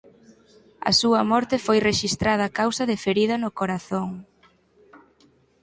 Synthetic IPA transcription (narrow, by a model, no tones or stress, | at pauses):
ɐ̰suɐmɔɾt̪ɪfojreʃist̪ɾað̞ɐːkawsɐðɪfeɾiðɐnʊkoɾaθoŋ